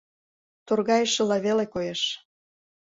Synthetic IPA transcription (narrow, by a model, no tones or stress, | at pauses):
t̪orɣɑjəʃĕlɑβelekojeʃ